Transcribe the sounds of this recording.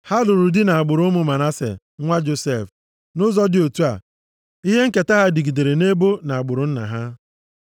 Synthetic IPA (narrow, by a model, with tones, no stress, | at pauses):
ha˦dʊ˨ɾʊ˨dɪ˦na˨a˨ɡ͡bʊ˨ɾʊ˦mʊ˦ma˨na˦sḛ˨ | ŋʷa˦d͡ʒo˨se˦˨f | nʊ˦zɔ˦dɪ˦o˨tu˦a̰˨ | i˦ɦe˦ŋ̩˦ke˨ta˦ɦa˦di˨ɡi˨de˨ɾe˨ne˦bo˦na˨a˨ɡ͡bʊ˨ɾʊ˨n̩˦na̰˨ɦa˦